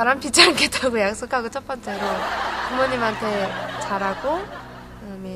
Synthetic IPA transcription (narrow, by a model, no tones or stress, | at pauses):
aɾanpʰid͡ʑʰaŋɡet͈ʰaɡojak̚s͈okʰaɡot͡ɕʰʌp͈ʌnt͡ɕ͈e̞ɾokumoɲimɦantʰe̞t͡ɕaɾɦaɡo | ame